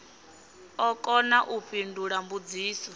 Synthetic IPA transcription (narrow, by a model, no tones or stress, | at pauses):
ɔkʼɔnaʔuɸindʱuɺambud͡ziːsɔ